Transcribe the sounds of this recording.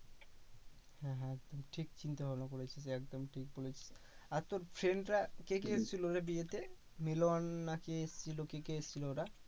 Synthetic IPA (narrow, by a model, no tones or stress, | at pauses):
hɛ̃ɦɛk̚d̪omʈʰikt͡ɕint̪eɦɔbnokoɾet͡ɕʰis̬eɛk̚d̪omʈʰik̚bolet͡ɕʰi̥s | aɾt̪oɾfʰɾeɳɖɾakek̬eest͡ɕʰilooɾabiet̪e | milonːakeest͡ɕʰilokekeest͡ɕʰilooɾa